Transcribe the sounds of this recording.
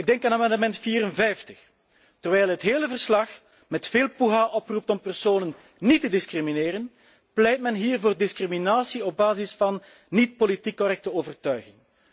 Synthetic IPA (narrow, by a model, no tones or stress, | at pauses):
ɪɡ̚dɛŋkaːnaːmɛndəmɛntfiːɾənvɛjftəx | tərʋɛjlˠɦətɦeːləvərslɑx | mɛtfeːlˠpuɦaːʔɔprup̚tɔmpərsoːnən | nitədɪskrimineːɾən | plɛjt̚mɛnɦiːrvoːrdɪskriminaːsiɔb̚baːzɪsfɑnː | it̚politikːɔrɛk̚təoːvərtœɥɣɪŋ